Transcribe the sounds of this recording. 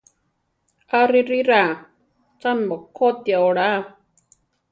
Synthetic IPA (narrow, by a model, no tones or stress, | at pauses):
aɾiɾiɾa | t͡sanmokʰot̪jaoɽa